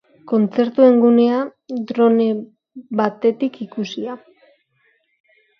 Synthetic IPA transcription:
ko̞nt͡se̞ɾt̪ue̞ŋɡune̞ad̪ɾo̞ne̞ | βat̪e̞t̪ikikusia

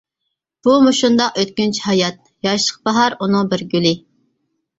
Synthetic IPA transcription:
b̥umuʃund̪ɑqøt̪̚kʲynt͡ʃʰihɑjɑt̪̚ | jɑʃlˠəq̚bɑɦɑɾunɨŋbɪɾɡʲylɪ

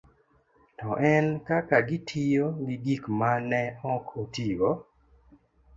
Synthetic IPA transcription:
tɔʔɛnkakaɡitʰijoɡiɡikmanɛɔkʰotiɡɔ

